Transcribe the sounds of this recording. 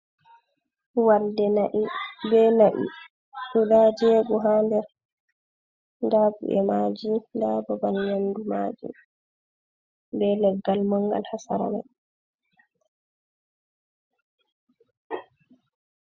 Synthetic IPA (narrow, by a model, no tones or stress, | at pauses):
waldɛnaʔibɛnaʔḭ | ʔuɗad͡ʒɛɡɔɦaːndɛ | ndabṵʔɛ̰mad͡ʒindababanjanduma̰ːd͡ʒḭ | bɛlɛɡːalmaŋɡa̰lhasaɾa̰ma̰j